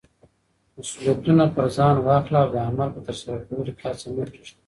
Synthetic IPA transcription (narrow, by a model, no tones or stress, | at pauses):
masuljat̪unapəɾzɑːnwɑːxlaːwd̪əamalpət̪əɾsəɾakawəlikʰɑːsametiʃt̪ḁ